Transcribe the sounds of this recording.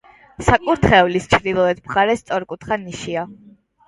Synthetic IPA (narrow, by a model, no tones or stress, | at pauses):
sakʼuɾt̪ʰχɛulist͡ʃʰɾd̪ilˠɔɛt̪mχaɾɛst̪sʼɔɾkʼut̪ʰχaniʃia